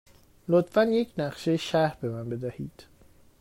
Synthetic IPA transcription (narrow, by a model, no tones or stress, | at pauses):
lot̪fænjecʰnæɢʃejeʃæɾbe̞mænbe̞d̪æhiːd̪̥